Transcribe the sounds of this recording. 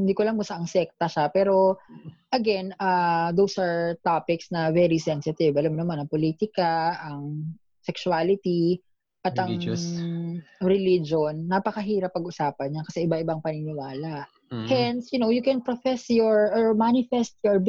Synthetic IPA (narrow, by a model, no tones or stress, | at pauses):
ɪnd̪iːkolɐŋmʊsaʔɐŋsɛk̚t̪ɐʃapɛːɾo̞ | ʔɐɡɛnɐd̪owsʔɐɹt̪apɪksnɐvɛɾisɛnsɪt̪ɪvʔɐlamnɐmanɐŋpoliːt̪ɪkɐʔɐŋ | sɛkʃualɪt̪i | ʔɐt̪ʔɐ | ɾɪlid͡ʒonːɐpɐkɐɦiːɾɐpːɐɡʔʊsaːpɐnɲakɐ̥sɛɪbaʔɪbaŋpɐnɪnɪwaːlɐʔ | hɛnsjʊnowjʊkɛnpɾofɛsjɔɹʔɔɹmanɪfɛst̪jɔɹ